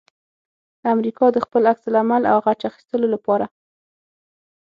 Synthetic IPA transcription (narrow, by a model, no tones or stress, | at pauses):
amɾikɑd̪əxpəlakslamala̰wɣat͡ʃaxi̥st̪əlolapɑɾa